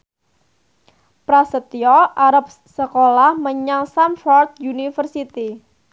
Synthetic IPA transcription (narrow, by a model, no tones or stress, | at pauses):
pɾasət̪iɔʔaɾap̚ | səkolahməɲaŋsamfɔrd̪̚unifərsit̪i